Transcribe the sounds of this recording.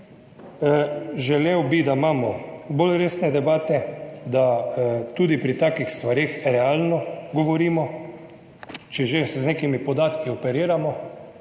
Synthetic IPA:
ʒɛlewbid̪amaːmɔbolɾeːsnɛd̪ɛbaːt̪ɛd̪at̪uːd̪ipɾit̪aːkixst̪ʋaɾeːxɾɛalnɔɡɔʋɔɾiːmɔ | t͡ʃɛʒeznekimipɔd̪aːt̪kiɔpɛɾiːɾamɔ

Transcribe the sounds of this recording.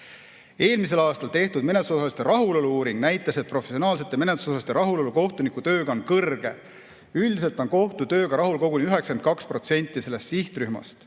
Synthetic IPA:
e̞ːlmise̞lɑːst̪ɑlt̪e̞ht̪ud̪̥me̞net̪lusosɑlist̪eɾɑɦulo̞luuːɾiŋɡ̥næjt̪ːˑɑset̪̚pro̞fesio̞nɑːls̬e̞t̪ˑːeme̞net̪lusosɑst̪eɾɑɦulo̞luko̞ht̪unikut̪ø̞ːɡɑonkɤrɡ̥e̞̰ | yld̪ise̞lt̪ˑo̞nko̞ht̪ut̪ø̞ːɡɑɾɑɦulko̞ɡunʲiyɦeksent̪̚kɑkspro̞t̪se̞nʲt̪ːˑise̞lːe̞st̪siht̪ryhmɑ̰st̪

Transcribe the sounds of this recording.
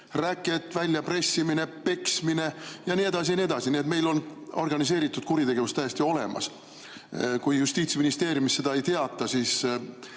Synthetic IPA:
rækːˑe̞t̪ːvælʲjɑpre̞sʲːimine̞pe̞ksmine̞jɑnie̞d̪ɑs̬ijɑnie̞d̪̥ɑsinie̞t̪̬me̞jlo̞no̞rɡ̥ɑnis̬e̞ːɾit̪ːˑud̪̥kuɾit̪e̞ɡ̥e̞vust̪ːæjest̪io̞le̞̰mɑ̰s | kujjust̪iːt̪sminist̪e̞ːɾjumisːe̞d̪̥ɑe̞jt̪eɑt̪ːˑɑsiːs

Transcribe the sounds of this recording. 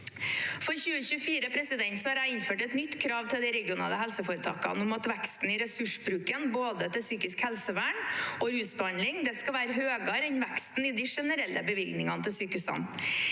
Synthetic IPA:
fɔɾçʉːəçʉːəfiːɾəpʰɾɛsɪd̪ɛnt̪sɔhɑɾæɪɪnføːʈɛt̪nʏt̪ːkʰɾɑːʋt̪ʰɪld̪ɛɪɾɛɡɪʊnɑ̰ːləɦɛlsəfoːɾət̪ʰɑ̰ːkɑ̰nʊmɑt̪ʋækst̪n̩ɪɾɛsʉʂbɾʉːkənboːd̪ət̪ɪlsyːkɪskhɛlsəʋæːɳɔɾʉːsbəhɑnlɪŋd̪ɛskɑʋæːɾəɦøːɡɑɾɛnʋækst̪n̩ɪd̪ɪʂɛnəɾɛlːʔəbəʋɪlɡ̪nɪŋɑnət̪ʰɪlsyːkʉsɑ̰n

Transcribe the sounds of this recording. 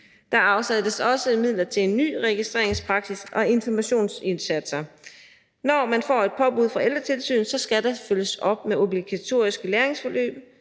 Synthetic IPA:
d̥ɑ̈ɑ̈ʊsædəsɒ̽səmið̞̰ˠlɐt͡sʰe̝le̝nːy̰ːʁɛɡ̥isd̥ʁḛɐeŋspʰʁɑ̈ɡ̥sisʔɒ̽e̝nfɒmæɕo̝̰ːnse̝nsæd̥sɐ | nɒmænfɒ̰ːe̝d̥̚pʰɒ̽b̥uð̞̰ˠfʁɑeld̥ʁɐt͡sʰe̝lsy̰ːn̩sɒ̽sɡ̥æd̥ɑføləsɒ̽b̥̚meo̝b̥liɡ̥æt͡sʰo̝̰ːɐisɡ̥əleːe̝ŋsfɒ̽lø̰ːb̥̚

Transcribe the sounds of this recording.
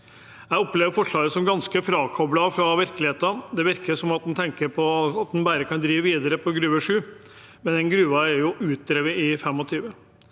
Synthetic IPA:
jæɪɔpleːʋəɾfɔʂɭɑːɡəsɔmɡɑnskəfɾɑːkʰɔblɑfɾɑʋɪɾkəlɪheːt̪ɑd̪ɛʋɪɾkəɾsɔmɑt̪̚d̪nt̪ʰɛŋkəɾpʰɔɑt̪̚d̪nbæːɾəkʰɑnd̪ɾiːʋəʋiːd̪əɾəpʰɔɡɾʉːəʂʉː | mɛnɛnɡɾʉːʋɑæɾjʊʔʉːt̪̚d̪ɾeːʋəɪfɛmːɔt̪ʰyːʋə

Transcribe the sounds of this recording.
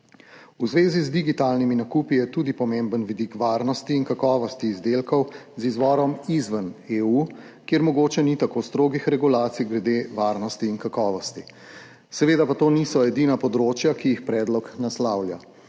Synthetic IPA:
uzʋeːzizd̪iɡit̪aːlniminakuːpijɛt̪uːd̪ipɔmembənʋid̪ikʋaɾnɔst̪iːnkakɔːʋɔst̪iːzd̪eːlkɔwzizʋɔːɾɔmizʋəneːu | kjeɾmɔɡoːt͡ʃɛnit̪akost̪ɾoːɡixɾɛɡulaːt̪sijɡɾɛd̪eʋaːɾnɔst̪iːnkakɔːʋɔst̪i | sɛʋeːd̪apat̪oːnisɔɛd̪inapɔd̪ɾoːt͡ʃjakijixpɾɛːd̪lɔknaslaːwlʲja

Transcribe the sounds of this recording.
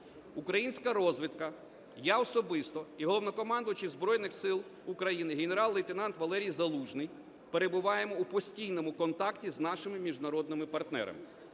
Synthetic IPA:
ukɾɐjinʲsʲkɐɾɔzʋɪt̪kɐ | jaɔsɔbɪst̪ɔiɦɔlˠɔʋnɔkɔmɑnd̪ʊt͡ʃɪzbɾɔjnɪxsɪlˠ | ukɾɐjinɪɦeneɾɑlˠːɐjt̪enɑnt̪ʋɐlˠɛɾʲijzɐlˠuʒnɪj | pe̞ɾebʊʋɑjemɔupɔsʲtʲijnɔmʊkɔnt̪ɑktʲiznɑʃɪmɪmʲiʒnɐɾɔd̪̚nɪmɪpɐrt̪nɛ̰ɾɐ̰mɪ̰

